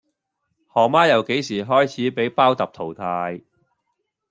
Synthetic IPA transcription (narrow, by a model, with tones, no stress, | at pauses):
hɔː˨˩maː˥jɐ˨wke˨˥jsiː˨˩ɦɔː˥jt͡sʰiː˨˥pe˨˥jpaː˥wt̪ɐ˨p̚t̪ʰo˨˩wt̪ʰaː˧j